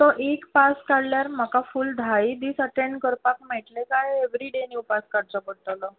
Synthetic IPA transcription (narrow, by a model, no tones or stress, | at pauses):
t̪ɔʔekpaskaɽljaɾm̤əkafuːld̪ʱajd̪iːsəʈẽɳɖkəɾpakmɛʈlekajeʋɾiɖeniwpaskaɽt͡səpəɽt̪alɔ